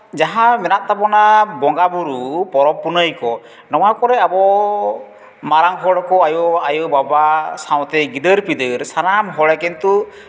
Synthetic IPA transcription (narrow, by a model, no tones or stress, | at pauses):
d͡ʒaɦamɛnaʔt̪apɔnabɔŋɡabuɾupɔɾɔmpunəjkɔ | nɔw̃akɔɾɛabɔ | maɾaŋɦɔɽɔkɔajɔajɔbabasaw̃t̪ɛɡid̪əɾpid̪əɾsanamɦɔɽɛkɛnt̪u